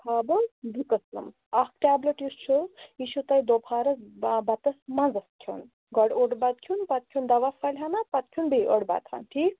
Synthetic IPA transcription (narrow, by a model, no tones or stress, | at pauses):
pʰaːbɐnd̪ikɐslɐ̰m | ɐxʈʲaːblɐʈist͡ʃʰuiʃut̪ɐjd̪opʰaːɾɐzbɐt̪ɐsmɐ̃nzɐskʲʰun | ɡɔɽoɽbɐt̪̚kʰunpɐt̪̚kʰund̪ɐʋafʰɐlʲɦɐnapɐt̪̚kʰunbejʔə̰ɽba̰t̪ʰa̰nt̪ʰi